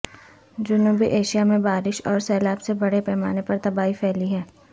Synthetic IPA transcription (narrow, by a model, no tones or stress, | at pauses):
d͡ʒʊnuːbiʔeːʃijamẽbaːɾɪʃɔːɾsɛːlaːbsebɐɽepɛːma̰ːnepɐɾt̪ɐbaːɦifʰɛːliɦɛː